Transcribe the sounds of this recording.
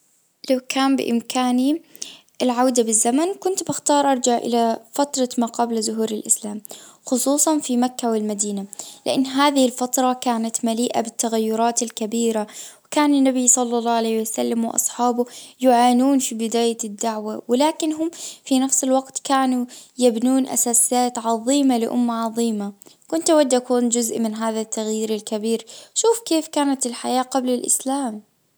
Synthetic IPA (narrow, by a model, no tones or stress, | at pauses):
lawkʰaːmbɪ̰ʔɪ̰mkaːni | ʔɪlʕawd̪abɪzːamankʊnt̪bɪxt̪ɑːɾˤʔɑɾˤd͡ʒaʕʔɪ̰lafat̪ɾˤɑmaːqɑblzʊɦuːɾɪlʔɪ̰slaːmxʊsˤuːsˤɑnfimakːawɪlmad̪iːnalɪ̰ʔɪnːɦaːðɪhɪlfat̪ɾˤɑkaːnat̪maliːʔabɪt̪ːaɣajːʊɾˤɑːt̪ɪlkabiːɾawɪkaːnɪnːabisˤɑlːɑlˤːɑːʕaleːhwasalːamwɪʔɑ̰sˤħɑːbʊjʊʕaːnuːnfibɪd̪aːjad̪ːaʕwawɪlaːkɪnɦʊmfinafsɪlwaɡt̪kaːnujabnuːnʔa̰saːsɪjaːt̪ʕɑðˤiːmalɪ̰ʔʊ̰mːaʕɑðˤiːmakʊnt̪awad̪ːʔakuːnd͡ʒʊzʔmɪnɦaːðat̪ːaɣjiːɾalkabiːɾʃuːfkeːfkaːnat̪ɪlħajaːqablɪlʔɪ̰slaːm